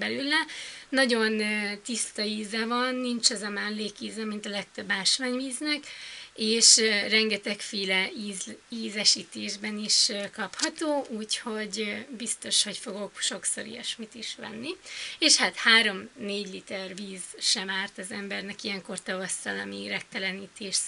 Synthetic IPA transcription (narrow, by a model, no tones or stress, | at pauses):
bɛlylːɛnɒɟo̞nːt̪ist̪ɒiːzɛvɒnːint͡ʃɒzɒmɛnleːkiːzɛmint̪ɒlɛk̚t̪øbːaːʃʋaːɲviːznɛkeːʃrɛŋɡɛt̪ɛkfiːlɛiziːzɛʃiːt̪eːʒbɛniʃkɒphɒt̪oːʔuːcho̞ɟbist̪o̞ʃho̞cfo̞ɡo̞kʃo̞kso̞̰ɾḭjɛ̰ʃmit̪iʃʋɛ̰nːieːʃhat̪haːɾo̞mneːɟlit̪ɛrviːzʃɛmaːrt̪ɒzɛmbɛrnɛkijɛŋko̞rt̪ɒvɒst̪ɒlɒmiɾɛk̚t̪ɛlɛniːt̪eːʃ